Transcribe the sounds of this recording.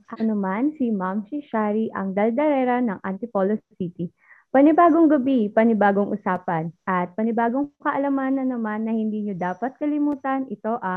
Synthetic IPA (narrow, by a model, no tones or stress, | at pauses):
ʔɐnomansimamʃiʃaɾiʔɐ̰ŋd̪ɐld̪ɐɾɛːɾɐnɐŋʔɐnt̪ɪpolossit̪i | pɐnɪbaːɡoŋɡɐbipɐnɪbaːɡoŋʔʊsaːpɐnʔɐt̪̚pɐnɪbaːɡo̞ŋkɐʔɐlɐmaːnɐnːɐmanːɐhɪnd̪iːɲod̪aːpɐt̪̚kɐlɪmuːt̪ɐnʔɪt̪o̞ʔɐ